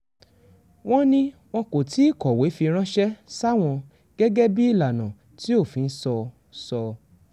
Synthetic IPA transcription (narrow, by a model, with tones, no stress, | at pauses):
w̃ɔ̃˦nĩ˦w̃ɔ̃˧ko˨ti˨˦˨kɔ˨we˨˦fi˧ɾ̃ã˦ʃɛ˦sa˦˨w̃ɔ̃˧ | ɡ̥ɛ˦ɡɛ˦bi˦i˦˨la˨nã˨ | ti˦o˦˨fĩ˨˧n̩˦sɔ˧ | sɔ˧